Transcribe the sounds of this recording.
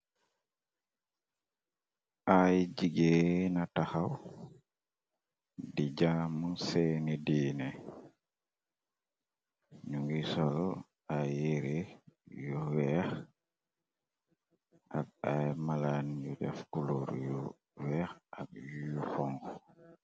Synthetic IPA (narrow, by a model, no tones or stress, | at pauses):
ʔajd͡ʒiɡenataxaw | did͡ʒamunsɛnidiːnɛ | ɲuŋɡisɔlɔ | aeɾejɔwɛx | ʔak̚ajmaland͡ʒud͡ʒa̰fkuloɾjɔ | wɛxak̚juxɔŋɡɔ